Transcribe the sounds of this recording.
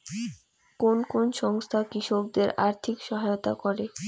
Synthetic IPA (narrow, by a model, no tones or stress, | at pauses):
konkonʃɔŋst̪ʰakɾiʃok̚d̪eɾaɾt̪ʰikʃɔɦajot̪a̰kɔɾe